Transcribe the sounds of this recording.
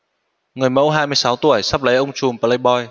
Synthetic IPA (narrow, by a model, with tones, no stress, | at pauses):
ŋɨ˨˩əjmə̰˧˥wɦaː˧jmɨ˧əjsa˨˦wt̪u˧˩əjsa˦˥p̚lə˨˦jʔə˧wŋ͡mt͡ɕu˨˩mpa˧lə˧ɓɔ˧j